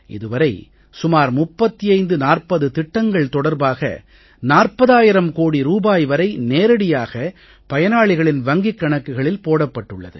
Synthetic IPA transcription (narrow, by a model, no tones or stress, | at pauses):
ʔɪ̰ðɯʋɐɾɐɪ | sʊmaːɾmʊpːɐt̪ːɪjɐɪnd̪ɯnaːrpɐðɯt̪ɪʈːɐŋɡɐɭt̪ɔɽɐɾbaːɣɐ̰ | naːrpɐðaːjɪɾɐmkoːɽiɾuːbaːjʋɐɾɐɪneːɾɐɽɪjaːɣɐ | pɐjɐnaːɭɪɣɐɭɪnʋɐŋɡɪkːɐɳɐkːɯɣɐɭɪlpoːɽɐpːɐʈːɯɭːɐ̰ðɯ̰